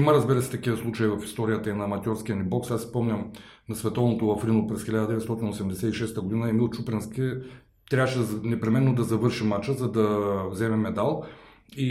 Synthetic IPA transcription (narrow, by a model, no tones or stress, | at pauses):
iməɾəzbiɾəsɛ̥t̪ɐkiəslˠut͡ʃəjivɐfi̥st̪ɔɾijət̪əinɐːmɐt̪ʲɔɾskʲiənibɔksasi̥pɔmnʲəm | nɐsvɛt̪ɔvnot̪ovɐfɾinopɾɛsxʲɛlʲad̪əd̪ɛvɛt̪st̪ɔt̪inosɛmd̪ɛsɛt̪iʃɛst̪əɡod̪inəɛmilˠt͡ʃupɾɛnskʲi | t̪ɾʲavʃɛnɛpɾɛmɛnːod̪ɐzɐvɤɾʃimat͡ʃəzɐd̪ɐvzɛmɛmɛd̪alˠ | i